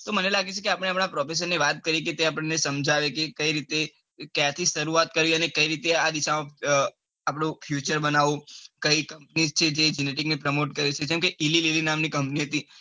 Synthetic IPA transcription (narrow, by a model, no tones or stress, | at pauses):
t̪omənelaɡet͡ʃʰekeapəɽ̃eapɽ̃apɾɔfes̬ənːeʋat̪̚kəɾiket̪eapəɳnesəmd͡ʒʱaʋekekəiɾit̪e | kjãt̪ʰiʃəɾuat̪̚kəɾʋiənekəiɾit̪ead̪iʃamã | apɽ̃õfʰjut͡ʃəɾbənaʋũkəikəmpnizt͡ʃʰed͡ʒed͡ʒineʈiknepɾəmoʈkəɾet͡ʃʰed͡ʒɛmkeʔilililinamnikəmpniɦət̪i